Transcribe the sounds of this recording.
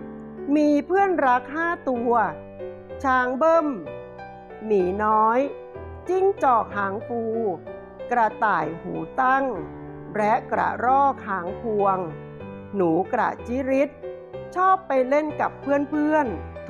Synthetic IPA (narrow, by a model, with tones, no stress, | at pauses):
miː˧pʰɯ˥˩ənɾa˦˥k̚ɦaː˥˩t̪u˧ɐ | t͡ɕʰaː˧˥ŋbɤ˥˩m | niː˩˦nɔː˦˥j | t͡ɕi˥˩ŋt͡ɕɔː˨˩k̚haː˩˦ŋkuː˧ | kɾa˧t̪aː˨˩jhuː˩˦t̪a˥˩ŋ | ɾɛ˦˥ʔkɾa̰˨˩ɾɔː˥˩k̚haː˩˦ŋpʰu˧əŋ | nuː˩˦kɾa̰˨˩t͡ɕi˦˥ɾi˦˥t̪̚ | t͡ɕʰɔː˥˩pːa˧jle˥˩nka˨˩pʰːɯ˥˩ənpʰɯ˥˩ən